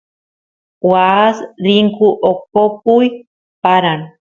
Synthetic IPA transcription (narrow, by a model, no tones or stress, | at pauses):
wasɾiŋkuʔokopuj | paɾan